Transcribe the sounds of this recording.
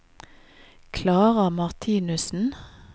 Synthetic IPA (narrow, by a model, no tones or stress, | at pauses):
kʰlɑːʁəmɑʁt̪ʰiːnʉsn̩